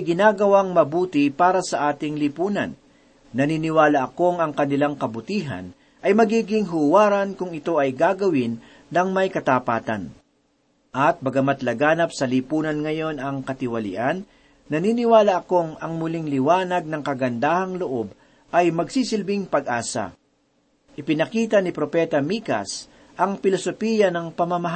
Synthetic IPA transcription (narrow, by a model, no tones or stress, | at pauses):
ɡɪnaːɡɐwaŋmɐbuːt̪ɪpaːɾɐsɐʔaːt̪ɪŋlɪpuːnɐ̰nː | ɐniːnɪwaːlɐʔɐkoŋɐŋkɐnɪlaŋkɐbʊt̪iːɦɐ̰n | ʔɐjmɐɡiːɡɪŋɦʊwaːɾɐnkʊŋɪt̪o̞ʔɐjɡaːɡɐwɪnː | ɐŋmɐjkɐt̪ɐpaːt̪ɐ̰n | ʔɐt̪̚bɐɡɐmɐt̪lɐɡaːnɐp̚sɐlipuːnɐnŋɐjo̞nɐŋkɐt̪ɪwɐlɪ̰ʔanː | ɐniːnɪwaːlɐʔɐko̞ŋɐŋmʊliŋlɪwaːnɐɡ̚nɐŋkɐɡɐnd̪aːhɐŋloʔo̞b̚ | ʔɐjmɐɡsisɪlbɪŋpɐɡʔaːsɐ̰ | ʔɪpɪnɐkiːt̪ɐnɪpɾopɛt̪ɐmiːkɐ̰s | ʔɐŋpɪlosopiːjɐnɐŋpɐmɐmɐɦa